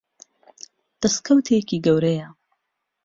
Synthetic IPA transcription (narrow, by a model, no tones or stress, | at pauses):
d̪̥ɐskʰɐwt̪ʰekiːɡɐwɾɐjɐ